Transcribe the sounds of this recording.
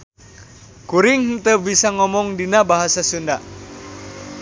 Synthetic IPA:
kuɾiŋhnt̪əbisaŋɔmɔŋdinabaɦasasunda

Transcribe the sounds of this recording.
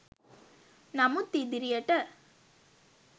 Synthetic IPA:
nɐmut̪ːid̪ɪɾɪjɐʈːɐ

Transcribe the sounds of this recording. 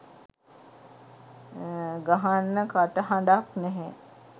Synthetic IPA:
ɡaɦanːəkaʈəhaɳɖaknɛɦɛ

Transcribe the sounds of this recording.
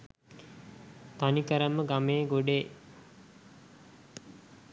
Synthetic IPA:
t̪anikəɾəmːəɡameːɡoɖe

